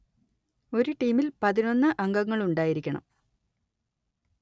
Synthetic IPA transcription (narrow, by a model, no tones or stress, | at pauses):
o̞ɾuʈiːmilpɐðino̞nːɨʔɐŋɡɐŋːɐɭuɳɖaːjiɾikʲːɐɳɐ̰m